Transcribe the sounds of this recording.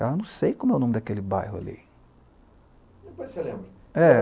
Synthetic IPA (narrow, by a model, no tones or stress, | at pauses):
aewnɐ̃w̃sejkõmʊɛwnõmɪd̪akelɪba̰jɦʊa̰lḭ | ẽpɔd͡ʒselẽmbɾɐ | ɛ